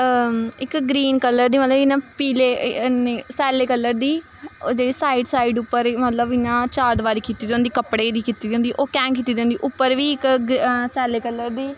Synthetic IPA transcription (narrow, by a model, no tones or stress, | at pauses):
ɪkɡɾiːnkəlːəɾd̪iːmət̪ləbɪnãːpiːleːneːsɛːleːkəlːəɾd̪iː | d͡ʒeːɽiːsaːiːɖsaːiːɖʊpːəɾmət̪ləbɪnãːt͡ʃaːɾd̪ʋaːɾiːkiːt̪iːd̪̃nd̪iːkəpɽeːd̪iːkiːt̪iːd̪ẽʊnd̪iːʔoːkɛ̃ːŋkiːt̪ːiːd̪eõːnd̪iːʔʊpːəɾʋiːɪksɛːleːkəlːəɾd̪iː